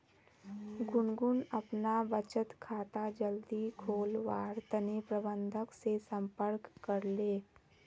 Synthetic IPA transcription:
ɡʊnɡʊnɐpnabət͡ʃət̪kʰaːt̪ad͡ʒəld̪ikʰoːlʋaːɾt̪ənepɾəbə̃nd̪ʱəksesə̃mpəɾkːəɾleː

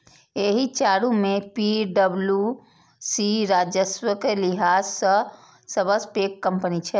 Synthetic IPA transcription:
eɦit͡ʃaːɾũmepiɖəblju | siɾad͡ʒəswəkeliɦaːzsə | səbəspekːəmpənit͡ʃʰɛ

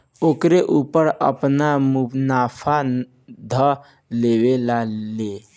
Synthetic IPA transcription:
oːkɾeʔupəɾə̰pnamubnapʰa | d̪ʱə | leʋelale

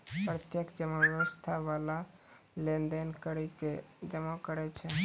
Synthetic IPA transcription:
pɾət̪jəkd͡ʒəmːabjəʋəst̪ʰabala | lend̪enkəɾɛked͡ʒəmːɔkəɾɛt͡ʃʰɛ

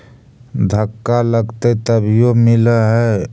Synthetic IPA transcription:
d̪ʱəkːaləɡt̪ət̪əbʱjomiləɦɛ

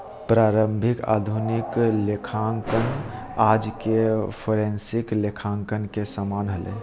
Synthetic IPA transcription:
pɾaːɾəmbʱɪka̰ːd̪ʱunɪklekʰaŋkən | aːd͡ʒkepʰoːɾẽːnsɪklekʰãːŋkənkesamaːnɦəlḛ

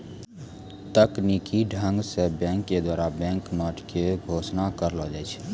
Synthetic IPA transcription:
t̪əknikiɖʱə̃ŋɡsebɛ̃ːŋkːed̪waːɾabɛ̃ːŋkməʈʰkeɡʱoːsnakəɾlɔd͡ʒɛːt͡ʃʰ

